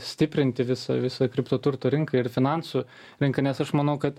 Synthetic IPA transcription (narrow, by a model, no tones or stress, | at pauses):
sʲt̪ʲɪpʲɾʲɪnʲt̪ʲɪʋʲɪsɐ̰ʋʲɪsɐkɾʲɪpt̪oːt̪ʊɾt̪oːɾʲɪŋkɐɪɾfʲɪnɑnsu | ɾʲɪŋkɐnʲɛsɐʃmɐnɐʊkɐt̪